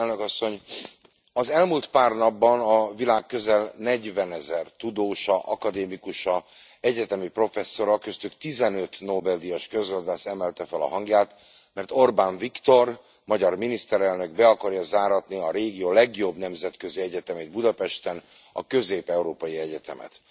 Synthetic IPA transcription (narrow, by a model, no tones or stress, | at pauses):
lnøkɒsːo̞ɲ | ɒzɛlmult̪paːrnɒbːɒnɒvilaːkːø̞zɛlnɛɟvɛnɛzɛrt̪ud̪oːʃɒʔɒkɒd̪eːmikuʃɒɛɟɛt̪ɛmipro̞fɛsːo̞ɾɒkøst̪ykt̪izɛnø̞t̪noːbɛld̪ijɒʃkøzɡɒzd̪aːsɛmɛlt̪ɛfɛlɒ̰ɦɒŋɡjaːt̪ | mɛrt̪o̞rbaːɱvikt̪o̞r | mɒɟɒrminist̪ɛɾɛlnø̞ɡbɛɒkɒɾjɒzaːɾɒt̪niɒɾeːɡijoːlɛɡijo̞bnɛmzɛt̪kø̞ziɛɟɛt̪ɛmeːd̪̚bud̪ɒpɛʃt̪ɛnɒ̰kø̞zeːpɛuɾoːpɒjiɛɟɛt̪ɛ̰mɛ̰t̪